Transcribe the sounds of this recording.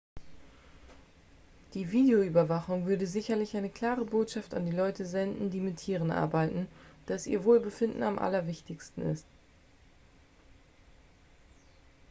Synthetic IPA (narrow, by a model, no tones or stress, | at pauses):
d̥iːviːdeoyːbɐvaχʊŋvʏɐdəzɪçɐlɪçʔaɪnəkl̥aːʁəboːtʃafta̰ndiːlɔʏtəzɛndn̩diːmɪtʰːiːʁ̞ənʔa̰ɐbaɪtn̩d̥asḭːɐvoːlbəfɪndn̩amʔa̰lɐvɪçtɪçstn̩ɪ̰st